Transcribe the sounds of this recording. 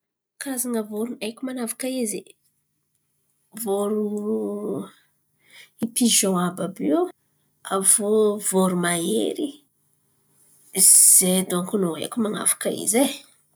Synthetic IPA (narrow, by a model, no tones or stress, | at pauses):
kazaŋəvoɾuejkʲumanavḁkaizi | voɾu | ipiʒɔ̃ababi | avovoɾumaḛɾi | z̥ed̪oŋkunoḛjkʲumana̰fḁkəḭze